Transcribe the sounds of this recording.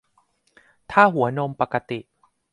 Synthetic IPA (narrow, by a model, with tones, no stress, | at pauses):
t̪ʰaː˥˩ɦu˩˦ɐno˧mpa˨˩ka˧t̪i˨˩ʔ